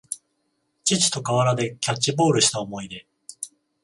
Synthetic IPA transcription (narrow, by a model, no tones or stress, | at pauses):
t͡ɕit͡ɕi̥t̪o̞kaβaɾad̪e̞kʲat͡ɕːibo̞ːɾɯ̟ɕi̥t̪aomo̞id̪e̞